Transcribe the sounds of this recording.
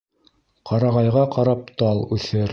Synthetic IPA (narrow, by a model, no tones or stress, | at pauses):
qɑɾɑʁɑjʁɑqɑɾɑp̚t̪ɑlˠʉθɘɾ